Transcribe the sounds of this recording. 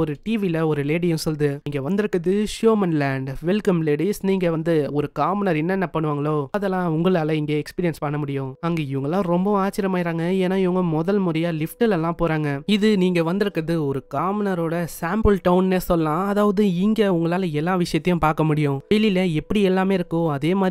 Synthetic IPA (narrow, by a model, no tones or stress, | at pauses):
ɔɾɯʈiːʋilɐɔɾɯleːɽɪjʊ̃sɔlːɐðɯiːŋɡɐʋɐnd̪ɪɾɯkːɾɐðɯʂjoːmɐnlɛːɳɖʋɛlkɐmleːɽisniːŋɡɐʋɐnd̪ɯɔɾɯkaːmɐnɐɾɛnːɛnːɐpɐɳːɯʋaːŋɡɐɭoːɐðɛlːãːʊŋɡɐɭaːlɐɪŋɡeːɛkspiːɾɪjɛnspɐɳːɐmʊɽɪjʊ̃ɐŋɡeːɪʋɐŋɡɐlːãːɾɔmbɐaːt͡ʃɪɾɐmaːɪɾaːŋɡɐeːnːaːɪʋɐŋɡɐmɔðɐlmʊɾɐjaːlɪfʈɪlɛlːãːpoːɾaːŋɡɐɪðɯniːŋɡɐʋɐnd̪ɯɾɯkːɾɐðɯɔɾɯkaːmɐnɐɾoːɽɐsaːmpɯlʈɐʊnnesɔlːɐãːɐðaːʋɐðɯɪŋɡɐʊŋɡɐɭaːlɐɛlːaːʋɪʂɐjɐt̪ːɐjʊ̃paːɾkɐmʊɽɪjʊ̃ʋelilɐɛpːɐɽiɛlːaːmeːɪɾɯkːʊ̃ɐðeːmaːd̪ɾ